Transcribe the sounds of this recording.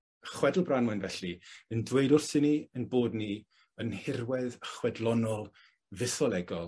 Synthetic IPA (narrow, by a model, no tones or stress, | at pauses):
əχwɛdl̩ˠbranwɛnvɛɬiəndwejdʊrsɪniənboːdni | ənhɪrwɛðəχwɛdlˠɔnɔlˠ | vɪsɔlˠɛɡɔlˠ